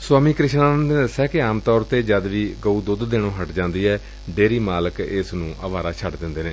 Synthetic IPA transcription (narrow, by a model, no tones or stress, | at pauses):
swaːmiːkɾɪʃnaːnənd̪nd̪əsɛːkɪaːmt̪ɔːɾt̪eːd͡ʒəd̪ʋiːɡəuːd̪ʊd̪d̪eːɳ̃õːɦəʈd͡ʒãːnd̪iːɛː | ɖeːɾiːmaːləkɪsnũːʔəʋaːɾaːt͡ʃʰəʈd̪ɪ̃nd̪eːnẽː